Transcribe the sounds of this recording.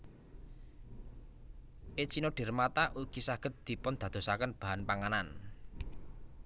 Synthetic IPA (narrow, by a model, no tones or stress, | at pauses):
ʔet͡ʃinoɖ̥e̤rmat̪aʔuɡ̥isaɡ̥ə̤t̪̚d̪̥i̤pʊnd̪̥a̤d̪̥o̤sakənb̥a̤ɦanpaŋanan